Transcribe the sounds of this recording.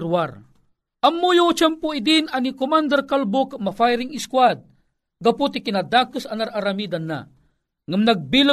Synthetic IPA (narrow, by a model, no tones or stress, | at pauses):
ɾwar | ʔɐmːujot͡ʃɛmpoid̪inanikomand̪ɛrkalbokamɐfajɾiŋɪskwad̪̚ | ɡɐput̪ikinad̪akɨsanaɾʔaɾamid̪anːa̰ | ŋamnaɡ̚bila